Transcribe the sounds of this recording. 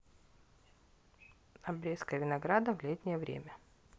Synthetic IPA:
ɐbɾʲeskəjvʲɪnɐɡɾad̪əvlʲet̪ʲnʲɪjəvɾʲḛmʲə

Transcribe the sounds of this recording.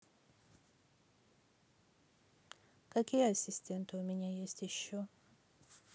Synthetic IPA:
kakeasistʰẽntomiɲajestiʃo

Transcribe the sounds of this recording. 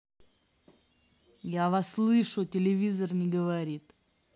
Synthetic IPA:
javasːlˠɨʂʊtʲɪlʲɪvʲizərnʲɪɡəvɐɾʲit̪

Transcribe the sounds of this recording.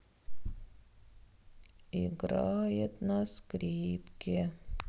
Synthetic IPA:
iɡɾɑːjət̪nɑskɾiːpkɪ

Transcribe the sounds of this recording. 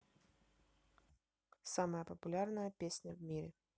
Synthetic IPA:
saməjəpəpʊlʲarnəjəpʲesʲnʲəvmʲiɾʲɛ

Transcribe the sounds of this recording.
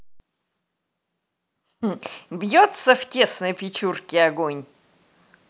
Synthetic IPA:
bjot̪səftʲe̞snəjpʲɪt͡ɕurkʲɪɐɡonʲ

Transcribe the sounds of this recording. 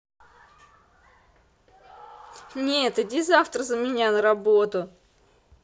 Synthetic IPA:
nʲet̪ɨd̪ʲɪzaft̪ɾəzəmʲɪnʲanəɾɐbot̪ʊ

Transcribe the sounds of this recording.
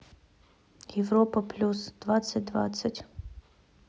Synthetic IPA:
jɛʋɾɔpɐplʲusd̪̥ʋasʲɐtʲd̪ʋa̰t̪sʲɐtʲ

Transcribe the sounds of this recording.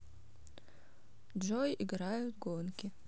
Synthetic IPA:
d͡ʒojiɡɾajut̪ɡonkʲɪ

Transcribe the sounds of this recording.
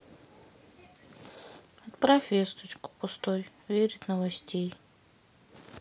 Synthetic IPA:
ɐt̪pɾafʲest̪ʊt͡ʃkʊ̥pʊst̪oj | vʲeɾʲɪt̪nəvɐsʲtʲej

